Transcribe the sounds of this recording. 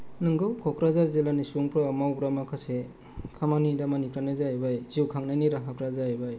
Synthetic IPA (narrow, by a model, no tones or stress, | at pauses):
nɯŋɡɯwkʰɔkɾazaɾzelanisuŋpɾɔːmawbɾamakʰase | kʰamaniɾamanikɾanɯzajbajziwkʰaŋnaniɾaɦakɾazajbaj